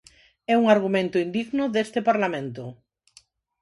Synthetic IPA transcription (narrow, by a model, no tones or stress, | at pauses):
ɛuŋaɾɣumẽnt̪ʊind̪iɣnʊðest̪ɪpaɾlamẽnt̪ʊ